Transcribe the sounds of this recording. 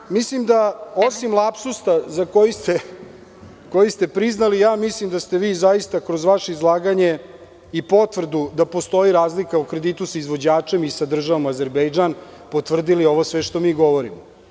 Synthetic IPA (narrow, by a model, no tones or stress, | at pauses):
mislimd̪aosimlˠapsust̪azako̞jist̪e | ko̞jist̪e̞pɾiznalijaːmislimd̪ast̪e̞ʋiːzajist̪akɾo̞zʋaʃeizlˠaːɡaɲe | ipo̞t̪ʋr̩d̪ud̪apo̞st̪o̞iɾaːzlikaukɾe̞d̪it̪usaizʋod͡ʑaːt͡ʂe̞misad̪r̩ʒaʋomaze̞ɾbejd͡ʒan | pot̪ʋr̩d̪ilio̞ʋosʋeʃt̪o̞miːɡo̞ʋo̞ɾimo